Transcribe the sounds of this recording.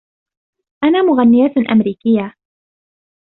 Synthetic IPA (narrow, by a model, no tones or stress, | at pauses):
ʔanaːmʊɣanːɪjaːt̪ʔa̰mɾiːkɪjːa